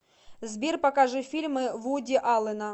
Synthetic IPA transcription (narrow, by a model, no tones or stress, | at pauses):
zbʲirpɐkaʐɨfʲilʲmɨvudʲɪʔalˠɨnɐ